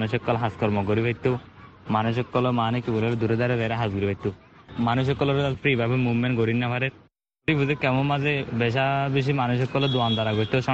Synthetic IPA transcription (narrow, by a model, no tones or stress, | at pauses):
nuʃɔkːɔlɦaskɔɾmɔɡoɾibʱajt̪ːo | manuʃ̬ɔkːɔlɔmanekibulɔɾd̪uɾed̪aɾeɾɛɾaɦasɡuɾibajt̪ːu | manuʃ̬ɔkːɔlɔɾd̪alpɾibʱabemuʋmenɡoɾinːapʰaɾeɾ | ɾibuzekɛmɔnmazebeʃ̬abiʃ̬imanuʃɔkːɔlɔd̪uand̪aɾaɡɔɾt̪oʃɔ